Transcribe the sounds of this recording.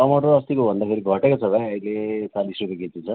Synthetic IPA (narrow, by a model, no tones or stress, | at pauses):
ʌmɔʈoːst̪ikobʱʌnd̪akʰeɾiɡʱʌʈekot͡sʰʌbʱajʌilet͡salisɾupeɡet̪ʰit͡sʰʌ